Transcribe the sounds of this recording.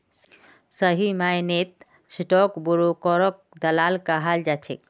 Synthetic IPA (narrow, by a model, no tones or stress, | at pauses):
s | səɦimajnet̪̚ | sʈɔkbuɾokɔɾɔk̚ | d̪əlaːlkaɦald͡ʒat͡ʃʰḛ